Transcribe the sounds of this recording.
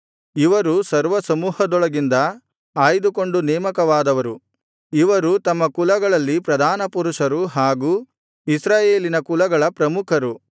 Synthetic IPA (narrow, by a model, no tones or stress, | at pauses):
iʋɐɾusɐɾʋɐsɐmuːhɐd̪ɔɭɐɡind̪ɐ | aːjd̪uko̞ɳɖunɛːmɐkɐʋaːd̪ɐʋɐɾu | iʋɐɾut̪ɐmːɐkulɐɡɐɭɐlːipɾɐd̪ʱaːnɐpuɾuʂɐɾuɦaːɡuː | isɾaːjeːlinɐkulɐɡɐɭɐpɾɐmukʰɐɾu